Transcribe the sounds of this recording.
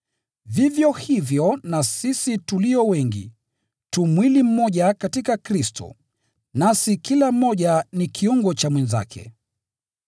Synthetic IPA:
vivjɔhivjɔnasisituliɔwɛŋɡḭ | tumwilim̩mɔʄakatikakɾistɔ̰ | nasikilam̩ːɔʄanikʰiuŋɡɔt͡ʃamwɛnza̰kʰɛ̰

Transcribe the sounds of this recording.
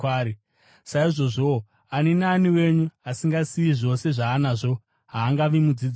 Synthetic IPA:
aːɾi | saiʐo̞ʐo̞ | anenaniwe̞ɲuasiŋɡasiiʐo̞se̞ʐaːnaʐo̞ | ɦaːŋɡaʋimud͡zid͡z

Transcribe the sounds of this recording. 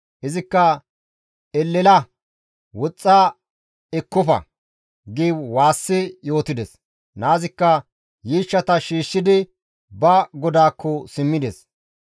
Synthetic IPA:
ʔɪzɪkːɐ | ɛlːɛlɐ | wɔt͡sʼːaː | ɛkːɔfɐ̰ | ɡiːbwaːsːɪjo̞ːt̪ɪd̪ɛs | naːzɪkːɐ | jiːʃːɐt̪ɐʃiːʃːɪd̪ɪ | bɐɡɔd̪aːkʰːɔsɪmːɪd̪ɛs

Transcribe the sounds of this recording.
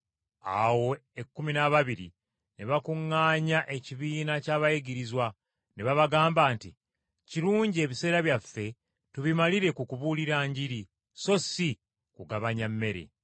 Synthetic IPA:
a̰wo̞e̞kːuminaβaβiɾḭ | neβakuŋːaːɲaʔe̞ciβiːnacaːβajiɡiɾizwa | neβaβaɡaːmbaːnti | ciɾuːɲɟie̞ːβise̞ːɾaβjafːe̞ | tuβimaliɾe̞kukuβuliɾaːɲɟiɾi | so̞si | kuɡaβaɲamːe̞ɾe̞̰

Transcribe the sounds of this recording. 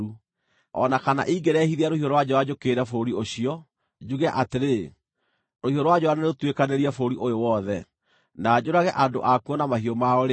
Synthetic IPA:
u | ɔ̰nakana̰ʔiɡeɾɛhiðiaɾohiɔɾwad͡ʑɔwad͡ʑokeːɾɛfoɾioɕiɔ | d͡ʑuɣɛaʔateɾe | ɾohiɔɾwad͡ʑɔaneneɾotwekaneɾiafoɾiʔojowɔðɛ | naːd͡ʑoɾaɣɛʔando̰ʔakuɔnamahiɔmaɔɾe

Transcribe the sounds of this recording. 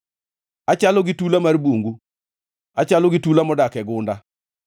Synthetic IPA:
at͡ʃalɔɡɪtulamaɾboŋɡu | at͡ʃalɔɡitulamɔdakɛɡʊnda

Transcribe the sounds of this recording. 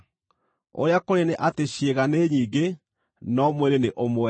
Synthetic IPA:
o̰ɾeakoɾeneʔateɕieɣaneɲiːŋɡe | nɔmweɾeneʔomoɛ

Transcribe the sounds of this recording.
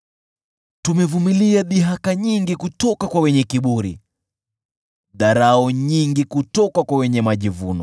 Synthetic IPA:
tumɛvumiliaɗiɦakaɲiŋɡikutɔkakwawɛɲɛkiɓuɾḭ | ðaɾaɔɲiŋɡikutɔkakwawɛɲɛmaʄivunɔ

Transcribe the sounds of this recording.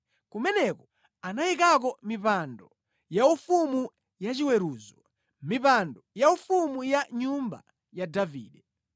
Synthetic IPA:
kumɛnɛkɔ | anajik̬akɔmipandɔ | jaufumu | jat͡ʃiwɛɾuːzɔ | mipandɔjaufumujaɲumba̰ | jadavḭːɗɛ

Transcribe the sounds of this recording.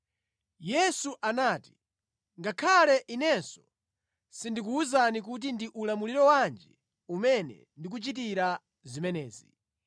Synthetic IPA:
jɛsuʔanaːti̥ | ŋɡakʰalɛʔinɛnsɔ̥ | sindik̬uːzanik̬ut̬indiʔulamuliɾɔwand͡ʒɛ | umɛnɛ̰ndik̬ut͡ʃit̬iɾa | zimɛnɛːzi

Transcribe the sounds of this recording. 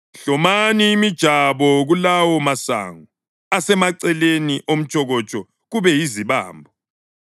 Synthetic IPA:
ɬɔmaniːmid̥ʒ̥ʱaβɔɣulawɔmasa̰ŋu | asɛmaǀɛleniʔom̩t͡ʃʼɔɣɔt͡ʃʼɔ | ɣuβɛjiziβa̰ːmbʱɔ

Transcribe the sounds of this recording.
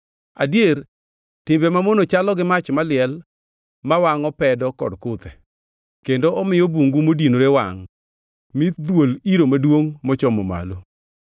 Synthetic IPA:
a̰djer | tɪmbɛmamonot͡ʃalɔɡɪmat͡ʃmalɪɛl | mawaŋɔpɛdɔkɔ̰dkʊt̪ɛ | kendoɔmɪjɔbuŋɡumodinoɾewa̰ŋ | mit̪d̪woliɾomadwoŋmɔt͡ʃɔmɔ̰ma̰lo

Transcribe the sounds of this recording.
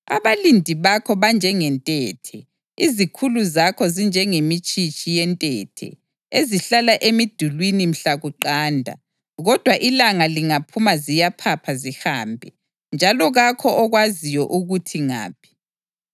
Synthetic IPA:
a̰βalindʱiβakʰɔβand͡ʒʱɛŋɛntʼɛtʰɛ | izikʰuluzakʰɔzind͡ʒʱɛŋemit͡ʃʼit͡ʃʼijɛntʼɛ̰tʰɛ̰ | eziɬalaʔemid̥ʱulwinim̩ɬaɣuǃaːndʱa̰ | ɣɔd̥ʱwaʔilaŋaliŋapʰumazijapʰapʰaziha̰ːmbʱɛ | nd͡ʒʱalɔɣakʰɔʔɔɣwazijɔʔuɣutʰiŋa̰ːpʰi̥

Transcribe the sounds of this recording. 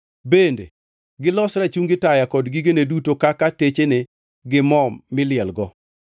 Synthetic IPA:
bendḛ | ɡɪlɔsɾat͡ʃuŋɡɪtajakɔdɡiɡenedutokakatet͡ʃenɪ | ɡɪmɔmːɪlɪɛlɡɔ

